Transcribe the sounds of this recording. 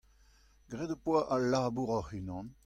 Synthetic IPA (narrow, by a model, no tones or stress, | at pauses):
ɡʁɛd̪əpwaʔalaːbuʁɔhynɑ̃n